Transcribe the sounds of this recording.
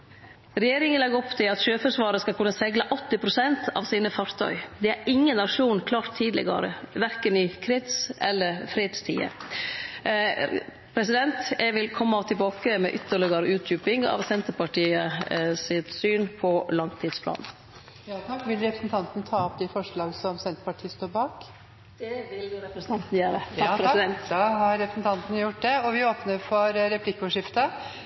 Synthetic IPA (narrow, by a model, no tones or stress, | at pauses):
ɾɛjeːɾɪŋənlɛɡɔpt̪ʰɪlɑt̪ʃøːfəʂʋɑːɾəskɑlkʰʉnːəsɛɡləʔɔt̪ːɪpʰɾʊsɛnt̪ʰɑ̰ʋsiːnəfɑɾt̪ʰœ̰ʏd̪ɛæɾʔɪŋːənːɑʂuːnkʰlɑːɾt̪ʰːiːd̪lɪ̰ɡə̰ɾə̰ʋæɾkənɪkʰɾɪt̪sʔɛlːəɾfɾeːd̪st̪ʰḭːə̰ | pʰɾɛsɪd̪ɛnt̪ɛʋɪlkʰɔmːɑt̪ʰɪbɑːkəmɛ̰ʔʏt̪ːəɭɪɡəɾʉːt̪̚jʉːpɪŋɑ̰ːʋsɛnt̪əɾpɑʈiːəsɪt̪syːnpʰɔlɑnt̪ʰiːd̪spʰlɑ̰ːn | jt̪ʰɑkːʋɪlɾɛpɾəsnt̪ʰɑnt̪n̩t̪ʰɑːɔpd̪ɪfɔʂɭɑːɡsɔmsɛnt̪ə̥pɑʈʰiːəst̪oːɾbɑːk | d̪̥ɛʋɪlɾɛpɾəsn̩t̪ɑnt̪n̩jøːɾəɾɛnd̪ɦɑɾɾɛpɾəsn̩t̪ʰɑnt̪nəjʊʈd̪ɛɔʋɪoːpnəɾfɔɾɾɛpʰlɪkːʊʂɪft̪ɑ